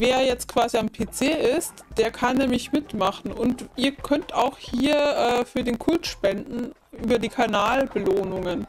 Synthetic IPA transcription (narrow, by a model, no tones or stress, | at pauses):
veːɐjɛt͡st̚kv̥aːziampʰeːt͡seːʔɪstd̥eːɐkʰanːɛːmlɪçmɪtmaχn̩ʔʊntiːɐkʰœntaʊxhiːɐʔɛːfyːɐdeːnkʰʊltʃpɛndn̩ | ʔyːbɐdiːkʰanaːlbəloːnʊŋən